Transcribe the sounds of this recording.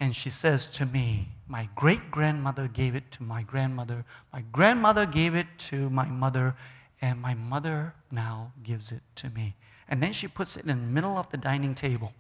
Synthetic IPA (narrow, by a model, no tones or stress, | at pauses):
ɨ̃nʃisɛz̥tʰɨmimaɪɡɹeɪt̚ɡ̥ɹæ̃nmʌðə˞ɡeɪvɨtʰɨmaɪɡɹæ̃nmʌðə˞maɪɡɹæ̃nmʌðə˞ɡeɪvɨtʰɨmaɪmʌðə˞ | ɨ̃nmaɪmʌðə˞ | naʊɡɪvzɪtʰɨmi | ʔɨ̃nðɨ̃nʃipʰʊtsɨ̰ɾɨ̃nəmɪɾl̩ˠʌvðɨdãɪ̃nɪ̃ŋtʰeɪbəl̩ˠ